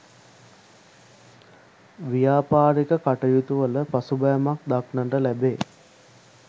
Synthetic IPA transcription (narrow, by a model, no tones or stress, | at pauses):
ʋijaːpaːɾikəkaʈəjut̪uʋələpasubɐjamak̚d̪aknəɳɖəlæbeː